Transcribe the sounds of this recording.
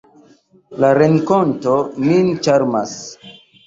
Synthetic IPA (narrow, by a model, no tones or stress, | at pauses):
laɾeŋkontomint͡ʃaɾmas